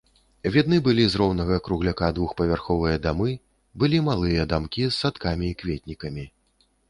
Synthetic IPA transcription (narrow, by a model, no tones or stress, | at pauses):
vʲid̪nɨbɨlʲizɾɔwnɐɣɐkɾuɣlʲakad̪vuxpɐvʲarxɔvɨjɐd̪amɨ | bɨlʲimalˠɨjɐd̪amkʲisːat̪kamʲiːkvʲet̪ʲnʲikɐmʲi